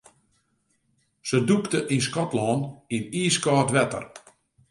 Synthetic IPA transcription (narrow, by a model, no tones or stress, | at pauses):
səduktəʔinskɔtlɔːniniːskɔːtʋɛtə̰r